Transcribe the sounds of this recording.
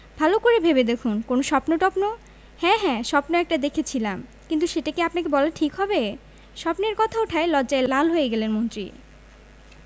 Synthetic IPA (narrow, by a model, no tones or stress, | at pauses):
bʱalokoɾebʱebed̪ekʰunkonoʃɔpnoʈɔpno | hɛ̃ɦɛ̃ʃɔpnoɛk̚ʈad̪ekʰet͡ɕʰilamkint̪uʃeʈakeapnakebɔleʈʰikɦɔbe | ʃɔpneɾkɔt̪ʰaoʈʰaelɔdːd͡ʑaelalɦoeɡɛlenmont̪ɾḭ